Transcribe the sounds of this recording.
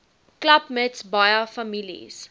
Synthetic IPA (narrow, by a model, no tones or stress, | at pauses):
klɐpmɛtsbɐjɐfɐmilḭs